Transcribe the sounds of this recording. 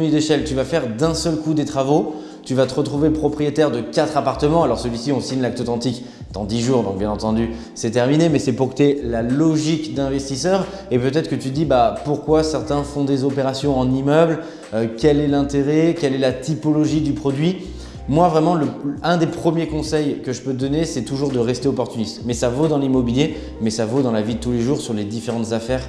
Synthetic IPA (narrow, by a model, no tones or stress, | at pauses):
mid̪eʃɛlt̪yvafɛʁd̪ɛ̃sœlkud̪et̪χavo | t̪yvat̪əʁət̪χuvepχɔpχijet̪ɛʁd̪əkat̪χapaʁt̪əmɑ̃alɔʁsəlɥisiɔ̃siɲlak̚t̪ɔt̪ɑ̃t̪ik | d̪̥ɑ̃d̪iʒuːʁd̪ɔ̃k̚bjɛ̃nɑ̃t̪ɑ̃d̪y | sɛt̪ɛʁminemɛsɛpuʁkt̪yɛlalɔʒikd̪ɛ̃vɛst̪isœːʁ | epøt̪ɛt̪χəkət̪yd̪ibapuʁkwasɛʁt̪ɛ̃fɔ̃d̪ezɔpeʁasjɔ̃ɑ̃nimœbl | økʲɛlɛlɛ̃t̪eʁɛkʲɛlɛlat̪ipɔlɔʒid̪ypχɔd̪ɥi | mwavʁɛmɑ̃ləɛ̃d̪epχəmjekɔ̃sɛjkəʒəpøt̪d̪ɔnesɛt̪uʒuʁd̪əʁɛst̪eɔpɔʁt̪ynist̪mɛsavod̪ɑ̃limɔbilje | mɛsavod̪ɑ̃lavid̪ət̪uleʒuʁsyʁled̪ifeʁɑ̃t̪zafɛːʁ